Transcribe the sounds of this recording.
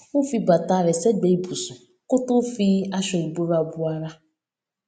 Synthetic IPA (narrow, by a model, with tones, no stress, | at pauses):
u˦fi˦ɡ͡ba˨ta˦˨ɾɪ˨se˦ɡ͡be˨i˦bu˨sʊ˨ | kʊ˦tʊ˦fi˦a˦ʃɔ˨ɾi˨bo˦ɾa˨bu˦a˦ɾa˦